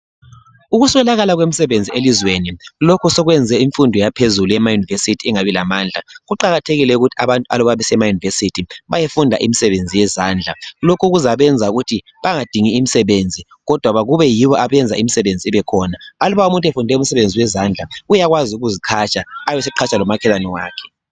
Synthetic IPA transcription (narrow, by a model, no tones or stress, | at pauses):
uɣuswɛlaɣalaɣwemisɛβend͡zʱielizwenilokʰusɔɣwɛnd͡zʱɛiɱfundʱɔjapʰezulujɛmajunivesitʰiɛŋaβilamaːnd͡ɮʱaɣuǃaɣatʰeɣilɛuɣutʰia̰βantʼua̰lɔβaβɛsɛmajunivesitʰiβajefundʱa̰ʔḭmisɛβend͡zʱijɛzaːnd͡ɮʱalokʰuɣuzaβɛnd͡zʱauɣutʰi | βaŋad̥ʱiŋiːmisɛβend͡zʱi | ɣɔd̥ʱwaβaɣuβɛjiβɔʔaβɛnd͡zʱa̰imisɛβend͡zʱiɛβɛkʰɔnaaluβaumuntʼɛfundʱɛumisɛβend͡zʱiwɛzand͡ɮʱaujaɣwaziuɣuzikʰat͡ʃʼaːjɛsɛǃʰat͡ʃʰʼalɔmakʰɛlanɔwaːkʰɛ̥